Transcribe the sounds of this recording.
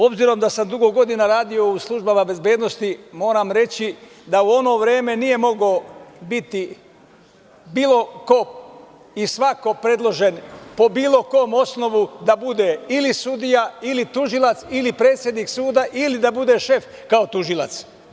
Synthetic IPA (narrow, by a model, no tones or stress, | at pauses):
o̞bziɾo̞md̪asamd̪uɡoɡo̞d̪inaɾaːd̪ijo̞uslˠuʒbamabe̞zbe̞ːd̪no̞st̪imo̞ːɾamɾe̞t͡ɕi | d̪auo̞no̞ʋɾe̞ːme̞nije̞mo̞ɡobit̪i | biːlˠo̞ko̞ | isʋako̞pɾe̞d̪lˠo̞ʒe̞npo̞biːlo̞koːmo̞sno̞ʋud̪abud̪eilisud̪ijailit̪uʒilˠat̪silipɾeːt̪sʲjed̪niksuːd̪aʔilid̪abud̪e̞ʃe̞f | kao̞t̪uʒilˠa̰t̪s